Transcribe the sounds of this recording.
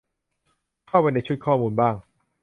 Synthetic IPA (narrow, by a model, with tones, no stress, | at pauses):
kʰa˥˩wpa˧jna˧jt͡ɕʰu˦˥t̪̚kʰɔː˥˩muː˧nbaː˥˩ŋ